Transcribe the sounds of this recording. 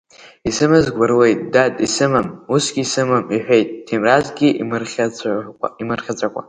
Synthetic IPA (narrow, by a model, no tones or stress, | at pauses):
isɨmɨzɡʷarwe̞jt̚ʼdadʼisɨmɨmusɡʲiːsɨmɨmiħʷᶣejt̚ʼdʰimrazɡʲiʔimɨrχʲa | imɨrχʲat͡sʷʼakʷʼa̰